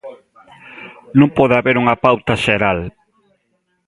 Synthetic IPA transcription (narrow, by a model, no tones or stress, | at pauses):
nũŋpɔðaβeɾuŋɐpawt̪ɐʃeɾal